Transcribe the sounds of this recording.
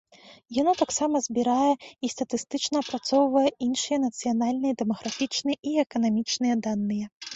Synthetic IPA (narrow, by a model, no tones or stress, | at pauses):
janɔt̪aksamɐzʲbʲiɾajɛist̪ɐt̪ɨst̪ɨt͡ʂnɐːpɾat̪sɔwvɐjɛinʂɨjɛnɐt̪sɨjanalʲnɨjɛd̪ɛmɐɣɾafʲit͡ʂnɨjɛʔiɛkɐnamʲit͡ʂnɨjɛd̪anːɨjɛ